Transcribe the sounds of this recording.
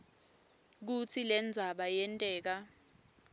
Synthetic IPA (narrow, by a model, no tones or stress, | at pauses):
k̬ut͡sʰilɛnd͡zʱaɓajɛntʼɛːk̬a